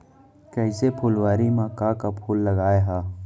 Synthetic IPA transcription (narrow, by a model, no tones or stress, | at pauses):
kɐɪsepʰʊlwaːɾimaːkaːkapʰulːɐɡaːeɦaː